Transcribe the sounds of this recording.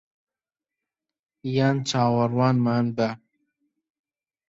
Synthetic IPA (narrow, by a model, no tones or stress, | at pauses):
jant͡sɑːwɐɾwɑːnmaːnb̪a